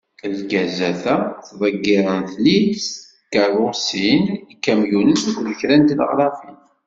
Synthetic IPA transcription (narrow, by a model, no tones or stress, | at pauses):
lɡæzæθæθðˤəɡːɪɾˤənθlis | kːaɾˤʊsinikːæmjunənsiɡðəçɾænt̪ilə̰ʁɾˤɑfin